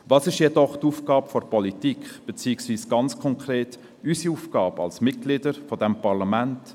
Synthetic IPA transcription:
vɑːsɪʃjɛdɔχtuːfɡ̥ɑːpfɔɾpɔlitikχb̥et͡siːksviːsɡ̥ɑnt͡skʰɔŋkɾeːt | ysiuːfɡ̥ɑːbɑ̰lsmɪt̚ɡ̥lɪdəɾfɔdɛmpɑɾlɑmɛnt

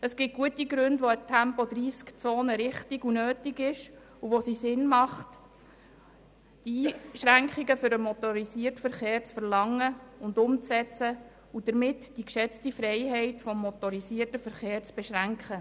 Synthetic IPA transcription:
əsɡ̥ɪt̚ɡ̥uətiɡɾʉndʋoətʰæmpɔd̥̪ɾiːskt͡soːnəɾɪχtiɡunøːtiɡɪʃ | uʋosisɪnmɑχt | d̥iːʃɾæŋkχiɡəfʏɾəmɔt̪ɔɾisiːəɾtfəɾχeːɾt͡sfəɾlɑŋːəʊndʊmt͡sɛt͡sə | ud̥əɾmɪtd̥ikʃɛt͡stifɾɛɪɦɛɪtfɔmːɔtɔɾisiːərtəfəɾχeːɾt͡sb̥ɛʃɾæŋkχə

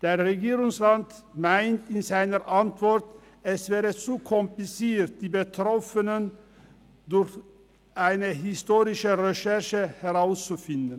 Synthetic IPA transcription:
d̥eːʁeɡiːʁʊŋsʁantmaɪntɪnzaɪnəʁʔantv̥ɔʁt | ɛsv̥ɛːʁət͡sukʰɔmplɪt͡siːt̚d̥iːbətʁɔfənən | dʊɾç | ʔaɪnəɦɪstoːʁɪʃəʁeʃɛɐʃəhɛʁaʊst͡sufɪndn̩

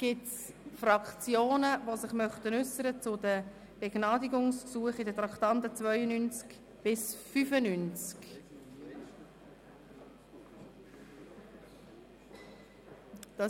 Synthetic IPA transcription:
ɡ̥ɪtsfrɑkχt͡sjoːnəvosɪχmœχtənʏsːəɾət͡sʊdə | b̥eɡnɑːdiɡʊŋsksuəχɪdətrɑkt̪ɑntət͡svœʏənynt͡sk | b̥ɪsfyfənynt͡sk | d̥ɑ

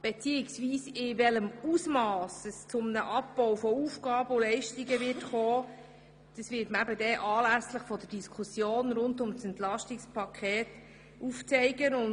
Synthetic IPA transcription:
b̥et͡siːɪksviːsɪʋɛləmuːsmɑːsəst͡sʊmnəʔɑpb̥ɔwfɔuːfɡ̥ɑːbəolɛɪʃtiɡəʋɪtχɔː | d̥ɑsʋɪːtməæbədɛʔɑːlæsləχfɔdəd̥iskʰusjoːnɾʊndʊmsɛnt̪lɑʃtɪkspʰɑkʰɛːt | ʔuft͡sɛɪɡənʊn

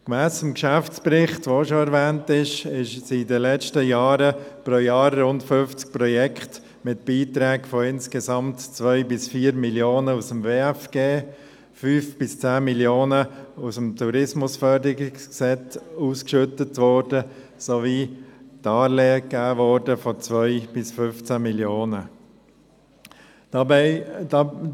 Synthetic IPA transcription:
kmæːsəmkʃæft͡spɾɪχtʋoʃoɛɾvɛːntɪʃɪʃsidəlɛt͡ʃtəjɑːɾəpɾoːjɑːrːʊntfʏft͡sk̚pɾɔjɛkχt | mɪt̚b̥iːt̪ɾɛːɡfoɪnskɛsɑmtt͡sʋœʏbɪsfiːəɾmiljoːnəusəmveːɛfɡ̥eː | fyːfb̥ɪst͡sæːmiljoːnəusəmtuɾɪsmʊsfœɾdəɪɡɪsksɛt͡suːskʃʏtətʋɔːɾdə | soʋiːtɑːɾleːəkːæːvɔːɾdəfɔt͡sʋœʏb̥ɪsfʏft͡sæmiljoːnə | d̥ɑbɛɪdɑ

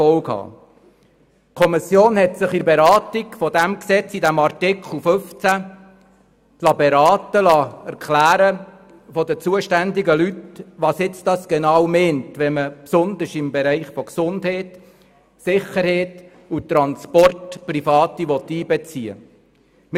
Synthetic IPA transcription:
ɔlkhɑ̰ː | kʰɔmisjoːnhɛtsɪχɪɾbeɾɑːtiɡfɔdæmksɛt͡sidæmɑrtɪkχl̩føft͡sæ | tlɑbɛɾɑːtəlɑæɾkʰlæːɾə | fɔdət͡suːəʃtænd̪ɪɡəlytʋɑsjɪt͡sd̥ɑsɡ̥enɑwmɛːntʋɛnməpsʊnd̪ɪʃɪmbɛɾɛɪχfɔksʊndheːt | sɪχəɾhɛːt | ut̪ɾɑnspɔrtprifɑːtiʋɔt̪ːiːbɛt͡siə̰ | m

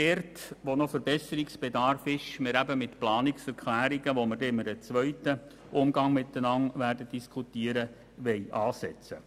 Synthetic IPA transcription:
d̥ɛːrtʋonofəɾbɛsəɾiksb̥edɑrfɪʃmɪɾæbəmɪtplɑːnɪksɛɾkʰlæːɾiɡəʋomərdɛmədət͡sʋœɥtə | ʊmɡɑŋmɪt̪ːənɑŋʋæːrdəd̥iskʰutiəɾə | ʋɛɪʔɑːsɛt͡sə

